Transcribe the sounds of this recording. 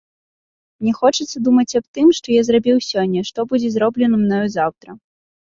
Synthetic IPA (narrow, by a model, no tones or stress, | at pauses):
mnʲɛxɔt͡ʂɨt̪sːɐd̪umɐt͡sʲab̚t̪ɨmʂt̪ɔjazɾabʲiwsʲɔnʲːɐʂt̪ɔbud͡zʲɛzɾɔblʲɛnɐmnɔjɔzawt̪ɾɐ